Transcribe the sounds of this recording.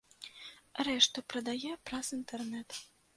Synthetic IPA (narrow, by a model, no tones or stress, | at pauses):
ɾɛʂt̪upɾɐd̪ajɛpɾasint̪ɛrnɛt̪